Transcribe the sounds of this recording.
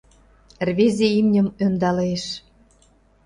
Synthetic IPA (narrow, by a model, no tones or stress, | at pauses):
rβezʲeimnʲə̆mønd̪ɑleʃ